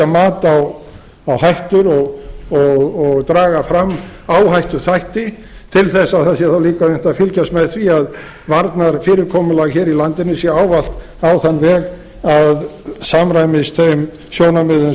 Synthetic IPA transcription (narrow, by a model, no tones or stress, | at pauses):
amaːt̪aw | awɦajht̪ʏɾɔɣɔɣɔɣt̪ɾaːɣafɾamːaːwɦajht̪ʏθajht̪ɪ | t̪ʰɪlθɛsːaðaðsjɛθawliːkaðʏɛht̪afɪlcast̪mɛðθviað | vaɾt̪naɾ̥fɪːɾɪɾkʰɔːmʏlaɣçɛːɾilant̪ɪnʏsjɛaːwval̥t̪ | awθanːvɛːɣ | aðsamɾajmɪst̪ʰejm | sjoːwnamʏðʏ